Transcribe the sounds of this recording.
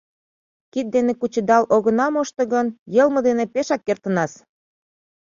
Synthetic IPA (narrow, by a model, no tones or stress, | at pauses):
kit̪̚d̪enekut͡ɕə̆d̪ɑloɣə̆nɑmoʃt̪ɤ̆ɣənjɤlmɤ̆d̪enepeʃɑkːert̪ənɑs